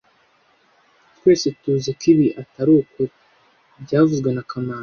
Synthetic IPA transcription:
tkwe̞ːsetuzekiβiʔataɾuːko | bɟaːvuzɡwe̞nakamaːn

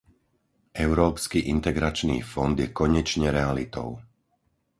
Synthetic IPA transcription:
ʔɛʊɾɔːpskiʔint̪ɛɡɾat͡ʃnḭːfɔnd̪jɛkɔɲɛt͡ʃɲɛɾɛalit̪ɔ̰ʊ

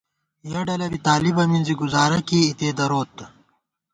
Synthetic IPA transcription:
jɐɖɐlɐbit̪aːlibɐminziɡuzaːɾɐkiit̪eːd̪ɐɾoːt̪ː

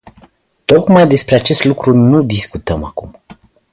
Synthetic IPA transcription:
t̪o̞kmajd̪e̞spɾe̞at͡ʃe̞st̪lukɾunud̪iskut̪əmakum

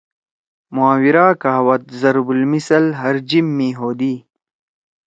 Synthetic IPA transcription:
muaːwiɾaːkaːwɐt̪̚zɐɾbulmisɐlɦɐɾd͡ʑimːiːɦoːd̪iː

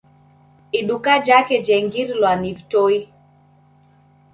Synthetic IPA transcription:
iɗukad͡ʒakɛd͡ʒɛŋɡiɾlwanivtoi

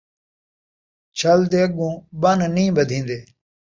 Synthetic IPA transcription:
t͡ʃʰəld̪eːəɡũːbənnĩːbəd̪ʱĩːnd̪eː

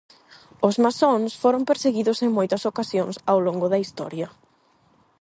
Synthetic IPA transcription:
ʊzmasoŋsfoɾompeɾseɣiðʊseŋmojt̪ɐsokasjoŋsawloŋɡʊðɐist̪ɔ̰ɾjɐ

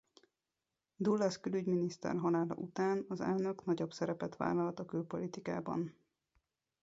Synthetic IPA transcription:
d̪ulːɛskylyɟminist̪ɛ̰rɦɒlaːlɒ̰ʔut̪aːnɒzɛ̰lnø̞knɒɟo̞bsɛɾɛpɛt̪ʋa̰ːlːɒlt̪ɒkøːpo̞lit̪ika̰ːbɒ̰n

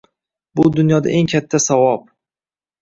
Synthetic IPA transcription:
bʊd̪ʊnjɒd̪a̰ʔe̞ŋkʲʰat̪ʰːasavɒp̚

